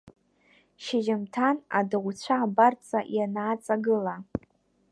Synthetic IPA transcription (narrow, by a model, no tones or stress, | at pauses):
ʃɪʒɪmtʰana̰dɨʁʷt͡ɕʷʰaːbart͡sʼajanaːt͡sʼaɡɨla